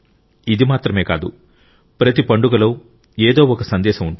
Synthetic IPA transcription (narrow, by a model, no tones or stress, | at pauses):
id̪imaːt̪ɾɐme̞ːkaːd̪u | pɾɐt̪̬ipɐɳɖuɡɐlo̞ː | eːd̪o̞ːɔkɐsɐnd̪ɛːʃɐmuɳʈu